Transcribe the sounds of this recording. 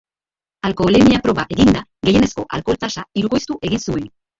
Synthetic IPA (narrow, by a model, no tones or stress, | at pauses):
alko̞lemiapɾo̞βaʔe̞ɣind̪aɣe̞je̞ne̞sko̞ʔalko̞lt̪asaiɾuko̞jst̪uʔe̞ɣinsue̞n